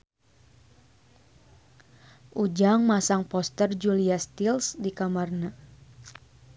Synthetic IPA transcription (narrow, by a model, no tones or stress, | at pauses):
ʔud͡ʒaŋmasaŋpɔst̪ərd͡ʒuliast̪ilsdikamarna